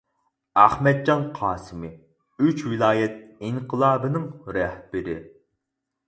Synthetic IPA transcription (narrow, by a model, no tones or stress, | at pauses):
æhmɛd̪̚d͡ʒɑnqʰɑːsɨmɨ | yt͡ʃwɪlˠɑːjɛt̪̚iŋqʰəlˠɑːbɨnɨŋɾɛhb̥ɪɾɪ̰